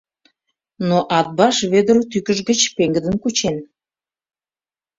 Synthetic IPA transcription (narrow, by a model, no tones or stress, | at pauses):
noʔɑt̪̚bɑʃβed̪əɾot̪ykəʒɡət͡ɕpeŋɡəd̪ənkut͡ɕen